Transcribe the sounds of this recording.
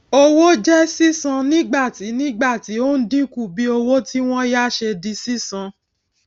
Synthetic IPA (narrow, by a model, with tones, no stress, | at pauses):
o˧wo˦d͡ʒɛ˦si˦sã˧nĩ˦ɡ͡ba˦˨ti˨˦nĩ˦ɡ͡ba˦˨ti˨˦o˦n̩˦dĩ˦ku˦˨bi˨˦o˧wo˦ti˦w̃ɔ̃˦ja˦ʃe˧di˧˦si˦sã˧